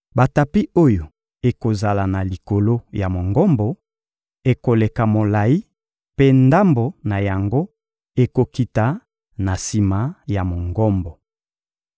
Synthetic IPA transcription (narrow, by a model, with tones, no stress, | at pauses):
ba˨ta˨pi˦o˦jo˨ | e˨ko˨za˨la˨na˨li˨ko˨lo˦ja˨mo˨ŋɡɔ˦mbɔ˨ | e˨ko˨le˨ka˨mo˨la˨i˦ | pe˦nda˦mbo˨na˨ja˨ŋɡo˦ | e˨ko˨ki˨ta˨ | na˨si˨ma˨˦ja˨mo˨ŋɡɔ˦mbɔ˨